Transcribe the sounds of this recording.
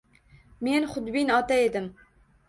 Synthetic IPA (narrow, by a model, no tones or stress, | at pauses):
meːnxʊd̪biːnɑːt̪ɛed̪ɨm